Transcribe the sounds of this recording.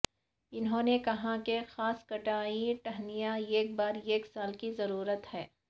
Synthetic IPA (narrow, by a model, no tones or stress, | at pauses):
ɪnɦõːnekɐɦakexaːskɐʈaːiʈɐɦnijaeːk̚baːɾeːksaːlkizɐɾuːɾət̪hɛː